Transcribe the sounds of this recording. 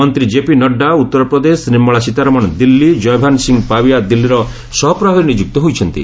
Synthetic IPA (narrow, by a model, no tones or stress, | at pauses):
ɔnt̪ɾid͡ʒepinɔɖːaut̪ːɔɾɔpɾɔd̪esnimːɔɭasit̪aɾɔmɔnd̪ilːid͡ʒɔjbʱansiŋɡpabiad̪ilːiɾɔ | sɔɦɔpɾɔɦɔɾnid͡ʒuk̚t̪ɔɦojt͡ʃʰɔnt̪ḭ